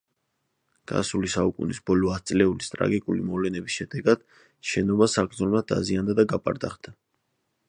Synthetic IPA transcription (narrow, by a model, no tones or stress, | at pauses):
ɡ̥a̰sulisaukʼṵnisbɔlɔat̪sʼlɛulist̪ʼɾa̰ɡikʼulimɔvlɛnɛbisʃɛd̪ɛɡad̪̥ | ʃɛnɔbasaɡɾd̪zɔlˠmad̪̚d̪a̰ziand̪ad̪aɡapʼa̰ɾd̪aχd̪a